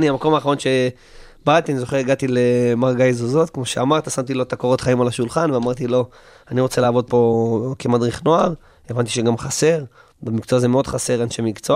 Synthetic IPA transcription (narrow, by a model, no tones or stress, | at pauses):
niamako̞maːχaʁo̞nʃe̞ | bat̪ianizo̞χeʁeɡat̪ilemaʁɡajzuzot̪kmo̞ʃeamaʁt̪asamt̪ilo̞t̪akoʁo̞t̪χaimalaʃulχanveamaʁt̪ilo̞ | aniʁo̞t͡se̞laːvo̞d̪̚po̞kemad̪ʁiχno̞aʁ | e̞vant̪iʃeɡamχase̞ʁ | bamikt͡soazemeo̞d̪χase̞ʁanʃemikt͡so